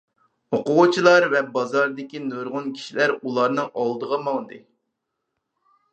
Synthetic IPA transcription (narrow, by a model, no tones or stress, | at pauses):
oqʊwʊt͡ʃʰilˠɑɾvɛbɑzɑɾd̪ɪkʲinøɾʁʊnkʲʰi̥ʃilæɾulˠɑɾnɨŋɑlˠd̪əʁɑmɑŋd̪ɨ